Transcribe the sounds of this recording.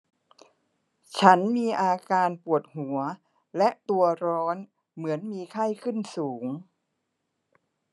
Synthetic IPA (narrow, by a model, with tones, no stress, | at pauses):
t͡ɕʰa˦˥nmiː˧ʔaː˧kaː˧npu˨˩ət̪̚hu˩˦ɐ | lɛ˦˥ʔt̪u˧ɐɾɔː˦˥n | mɯ˩˦ənmiː˧kʰa˥˩jkʰɯ˥˩nsuː˩˦ŋ